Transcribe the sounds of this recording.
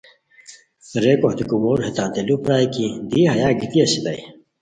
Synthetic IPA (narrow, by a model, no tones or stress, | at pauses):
ɾekoht̪ikumoːɾhet̪aːnt̪elupɾaːjkid̪ihajaːɡit̪iɐsid̪a̰j